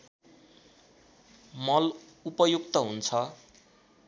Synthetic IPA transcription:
mʌlupʌjukt̪ʌɦunt͡sʰʌ

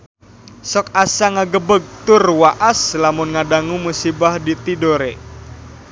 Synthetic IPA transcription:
sɔk̚asaŋaɡəbəɡ̚t̪ʊrwaʔaslamʊnŋadaŋumusibahdit̪idoɾe

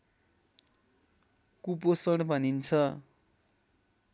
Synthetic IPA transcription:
kuposʌɽ̃bʱʌnint͡sʰʌ

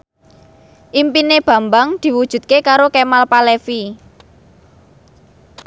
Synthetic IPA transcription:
ʔimpineb̥ä̤mbaŋd̪̥i̤wud̥ʒ̥ṳt̪̚kekaɾokemalpalefi

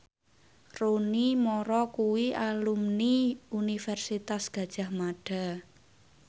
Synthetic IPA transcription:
ronimɔɾɔkuwialumniunifɛrsit̪asɡ̥ä̤d̥ʒ̥a̤hmaɖ̥a̤

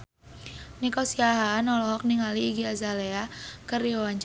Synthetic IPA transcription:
nikɔsiaɦaːnɔlɔɦɔk̚niŋaliːɡiazaleakəriɔwaɲt͡ʃ

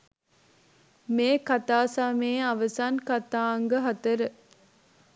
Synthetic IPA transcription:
meːkat̪aːsameːɐʋəsaːnkat̪aːŋɡəɦɐt̪əɾə

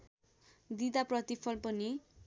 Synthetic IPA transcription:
d̪id̪aprʌt̪ipʰʌlpʌni

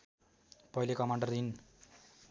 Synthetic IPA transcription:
pʌɦilekʌmaɳɖʌrd̪in

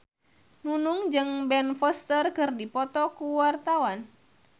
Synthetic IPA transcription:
nunuŋd͡ʒɨŋbɛnfɔst̪ərkɨrdipɔt̪ɔkuwart̪awan

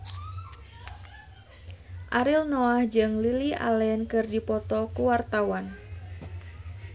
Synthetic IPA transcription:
ʔaɾilnɔahd͡ʒɨŋliliʔa̰lɛnkɨrdipɔt̪ɔkuwart̪awan

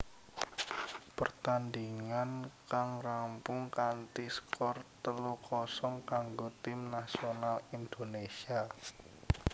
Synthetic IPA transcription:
pərt̪andiŋankaŋrampʊŋkant̪iskʰɔrt̪əlukɔsɔŋkaŋɡot̪ɪmnasionalind̪̥onesia

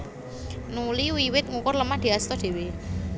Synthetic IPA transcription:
nuliwiwɪt̪̚ŋukʊrləmad̪̥i̤ast̪ɔd̪̥e̤we

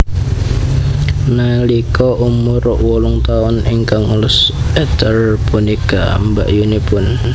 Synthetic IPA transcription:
nalikɔʔumʊɾʊʔwɔlʊŋt̪aʊniŋkaŋulʊsɛt̪ərpunika̰mba̰ʔjunipʊn

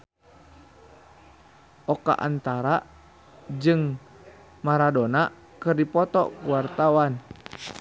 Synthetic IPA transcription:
ʔɔka̰ʔa̰nt̪aɾa | d͡ʒɨŋ | maɾadɔna | kɨrdipɔt̪ɔ̰kuwart̪awan

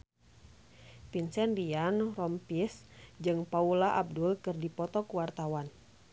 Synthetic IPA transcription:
pinsɛndianrɔmpisd͡ʒɨŋpaulaʔab̚dulkɨrdipɔt̪ɔkuwart̪awan

